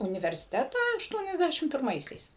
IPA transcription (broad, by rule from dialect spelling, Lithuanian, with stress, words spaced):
ʊnʲɪʋʲɛrʲsʲɪˈtʲæːtɑː ɐʃˈtuɔnʲɛzʲˌdʲæʃʲɪm pʲɪrˈmɐɪsʲɛɪs